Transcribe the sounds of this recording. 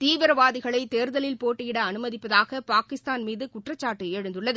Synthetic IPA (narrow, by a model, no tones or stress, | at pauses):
t̪iːʋɪɾɐʋaːðɪɣɐɭɐɪt̪eːɾðɐlɪlpoːʈːɯjɪɽɐːnɯmɐðɪpːɐðaːɣɐpaːkɪst̪aːnmiːðɯkʊʈrɐt͡ʃːaːʈːɯeːɻɯnd̪ɯɭːɐðɯ